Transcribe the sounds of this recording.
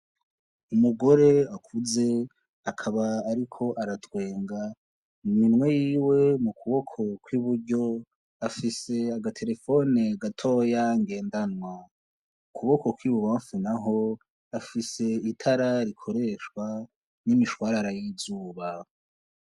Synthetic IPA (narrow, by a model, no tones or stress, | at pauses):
umuɡo̞ɾe̞akʰuze̞ | akʰaβaːɾikʰo̞ʔaɾatwe̞ːŋɡa | nimŋwe̞jiːwe̞mukʰuβo̞kʰo̞kwiβuɾɟo̞ | afise̞aɡatʰe̞ɾe̞fo̞neɡatʰo̞ːjaŋɡe̞ːndanwa | ukʰuβo̞ko̞kwiβuβaːɱfunaɦo̞ | afise̞itʰaɾaɾikʰo̞ɾe̞ːʃkwa | nimiʃwaːɾaɾajizuːβa